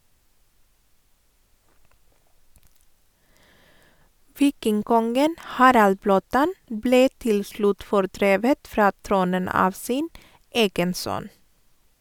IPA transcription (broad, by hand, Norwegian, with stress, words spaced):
ˈʋiːkɪŋˌkɔŋɡən ˈhɑːɾɑl ˈbloːˌtɑn ˈbleː ˈtɪl ˈslʉt fɔɾˈdɾeːʋət ˈfɾɑː ˈtɾuːnən ˈɑːʋ ˈsiːn ˈeːɡən ˈsœn